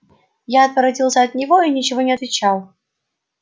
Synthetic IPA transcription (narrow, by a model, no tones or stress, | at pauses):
jaɐt̪vəɾɐdʲilˠsʲəɐt̪nʲɪvoinʲɪt͡ɕɪvonʲɪɐt̪vʲɪt͡ɕalˠ